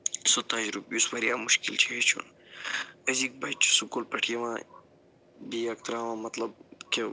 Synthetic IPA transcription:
sot̪ãːd͡ʑɾupjuswɐɾijaːmuʃkilt͡ʃʰeet͡ʃʰṵn | ɐziːk̚bɐjt͡ʃʰu̥sukolpɐʈʰijɐʋãː | biːɐk̚t̪ɾaːʋãːmɐt̪lɐb̚ke

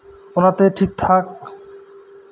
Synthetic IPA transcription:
onat̪eʈʰik̚t̪ʰak̚

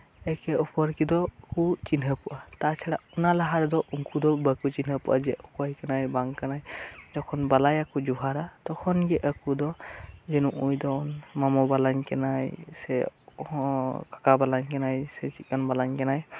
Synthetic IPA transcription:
ɛkɛupɔɾkid̪ɔkut͡ʃinɦəpuʔat̪at͡ʃʰɛɽaʔunalaɦaɾd̪ɔʔuŋkud̪ɔbəkut͡ʃinɦəpuʔad͡ʒɛʔɔpɔjkanajbaŋkanajd͡ʒɔkʰɔnbalajakud͡ʒuɦaɾat̪ɔkʰɔnɡɛʔəkud̪ɔd͡ʒɛnuʔujd̪ɔnmamɔbalaɲkɛnajsɛ | kḁkabalaɲkɛnajsɛt͡ʃit̚kanbalaɲkanaj

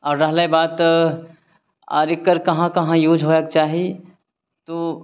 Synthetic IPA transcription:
ɔːɾɾɐɦlaibaːt̪ | aːɾɪkːəɾkɐɦãkɐɦãjuːd͡ʒʱɦoːjək̚t͡ʃaːɦi | t̪oː

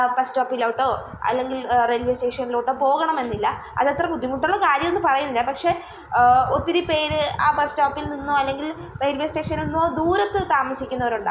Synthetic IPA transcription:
pɐstoːpːilɐʋʈːo̞ː | ɐ̰lːe̞ŋɡilrelʋe̞ːsʈe̞ːʂɐnːiloːʈːoːpo̞ːɣɐɳɐme̞nːilːɐ | ɐ̰ðɐt̪rɐbud̪ʱːimuʈːuɭːɐkaːɾjɐmonːɨpɐrɐjunːilːɐpɐkʂe̞ | ot̪ːiɾipːe̞ːɾɨaːpɐstoːpːilninːoːɐlːe̞ŋɡil | rejlʋe̞ːsʈe̞ːʂɐnilnːoːd̪uːɾɐt̪ːɨt̪aːmɐɕikʲːunːɐʋɐɾuɳɖɨ̰

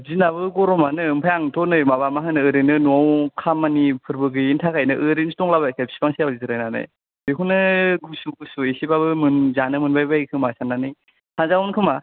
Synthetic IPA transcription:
zinaβɯɡɔɾɔmanɯɯmpʰajaŋtʰɔnɯjmabamaɦɯnɯɯɾɯnɯnɔwkʰamːanipʰɯɾbɯɡɯintʰakʰajnɯ̰ʔɯɾinsutɔŋlabakap̚si̥pʰaŋsijawzizɯɾajnanɯ̰j | beɦunɯɡusuɡusuesibabɯmɯnzanɯmɯnbajbajkʰɯmasananɯj | haŋzawunkʰɯma

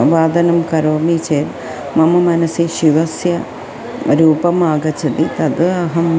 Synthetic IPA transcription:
ʋaːd̪ɐnɐmkɐɾoːmit͡ɕeːl | mɐmɐmɐnɐsiʃiʋɐsjɐ | ɾuːbɐmaːɡɐt͡ɕːɐd̪it̪ɐd̪ɨɐɦɐm

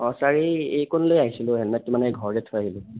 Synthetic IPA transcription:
ɔsaɹiejkɔnlojaɦisilʊɦɛlmɛt̚ːumanɛɡʱɔɹdɛtʰojaɦilʊ

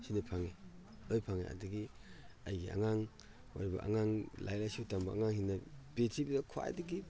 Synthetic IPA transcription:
sinɐpʰaŋe | ojpʰaŋḛa̰dɐɡi | ajɡia̰ŋaŋ | maɾibɐ̰ʔa̰ŋaŋla̰jlasutambɐaŋaŋhinːɐbetʰibidɐkʰoa̰jdɐɡi

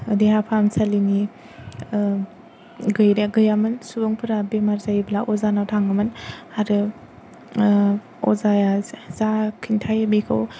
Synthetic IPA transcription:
ɯdehapʰamsalini | ɡɯjɾeɡɯjamɯnsubɯŋpʰɯɾabemaɾzajiblaʔɔzanawtʰaŋamɯnhaɾɯ | ɔ̰zajazakʰintʰajabikʰɯw

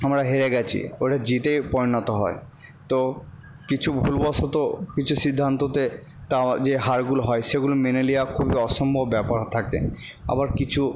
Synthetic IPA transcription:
amɾaɦeɾeɡɛt͡ɕʰḭojʈad͡ʑit̪ejpɔɾinot̪oɦɔ̰e | t̪o | kit͡ɕʰubʱulbɔsot̪okit͡ɕʰusid̪ʱːant̪ot̪e | t̪ad͡ʑeɦaɾɡuloɦɔeʃeɡulomenelijakʰubiɔʃɔmbʱobbɛpaɾt̪ʰakḛ | a̰baɾkit͡ɕʰu

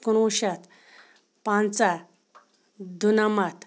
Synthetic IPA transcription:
kunuɕat̪ | pãnt͡sa | d̪ʱunamat̪

